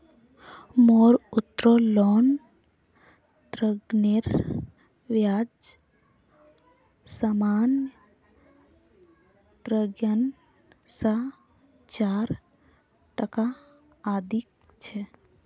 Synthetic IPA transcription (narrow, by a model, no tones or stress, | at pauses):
moɾut̪ːɾolɔn | t̪ɾəɡneɾ | ʋjad͡ʒ | saman | t̪ɾəɡjən | sa | t͡ʃaɾ | ʈəkaː | d̪ʱik̚ | t͡ʃʰɛ